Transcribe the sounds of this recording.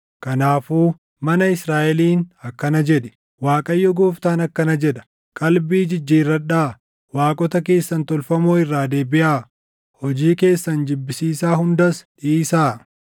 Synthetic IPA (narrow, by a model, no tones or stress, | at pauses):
kɐnaːfuː | mɐnɐɪsɾaːʔɛliːnɐkːɐnɐd͡ʒɛᶑɛ̥ | waːkʼɐjːɔɡoːft̪aːnɐkːɐnɐd͡ʒɛᶑɐ̥ | kʼɐlbiːd͡ʒɪd͡ʒːiːrːɐᶑaː | waːkʼɔt̪ɐke̞ːsːɐnt̪ɔlfɐmoːɪrːaːd̪e̞ːbɪʔaː | hɔd͡ʒiːke̞ːsːɐnd͡ʒɪbːɪsiːsaːhʊnd̪ɐsᶑiːsaː